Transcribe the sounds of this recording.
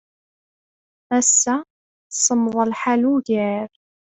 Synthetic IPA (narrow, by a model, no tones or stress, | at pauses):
æsːæ | θsˤəmðˤəlħaluʝæɾ